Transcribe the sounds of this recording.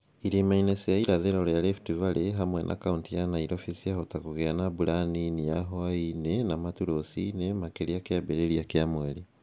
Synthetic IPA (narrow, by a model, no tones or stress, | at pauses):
iɾimainesijaiɾaðeɾolojalefi̥tivaleɦamwenʔa̰kauntijanaiɾofisiahotakuɣeanabuɾaninijaɦoainenamatuɾosḭnemakeɾiakjabeɾeɾiakjamweli